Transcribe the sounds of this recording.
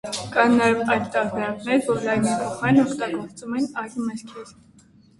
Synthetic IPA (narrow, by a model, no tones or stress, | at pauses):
kɑnnɑjɛvɑjd̪t̪ɑɾbɛɾɑknɛɾvɔɾlɑjnipʰɔχɑɾnɔkʰt̪ɑɡɔɾt͡sumɛnɑjd̪mɛɾkʰɛɾ